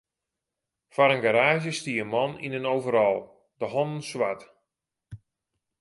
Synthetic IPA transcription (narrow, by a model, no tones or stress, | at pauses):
faɾənɡaɾaːʒjəstiəənmɔnḭnənowvəɾɔlˠ | dəɦɔnn̩swat